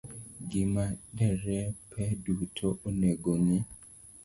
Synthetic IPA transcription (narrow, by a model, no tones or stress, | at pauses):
ɡɪmadɛɾɛpʰɛdutʰoʔoneɡonɪ